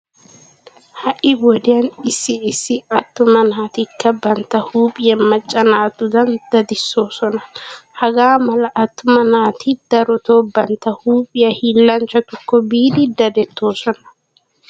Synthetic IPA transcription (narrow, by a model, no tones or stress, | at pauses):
hɐʔɪwɔd̪ɪjɐnɪsːɪɪsːɪɐt̪ːʊmɐnaːt̪ɪkːɐbɐnt̪ːɐhuːpʼɪjɐmɐt͡ʃʼːɐnaːt̪ʊd̪ɐnd̪ɐd̪ɪsːoːsɔnɐhɐɡaːmɐlɐʔɐt̪ːʊmɐnaːt̪ɪd̪ɐɾɔt̪oːbɐnt̪ːɐhuːpʼɪjɐhiːlːɐnt͡ʃːɐt̪ʊkːɔbiːd̪ɪd̪ɐd̪ɛt̪ʰːo̞ːsɔnɐ̥